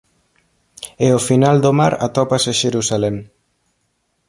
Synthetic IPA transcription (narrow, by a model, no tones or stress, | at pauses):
eofinald̪omaɾa̰t̪ɔpaseʃeɾusalɛm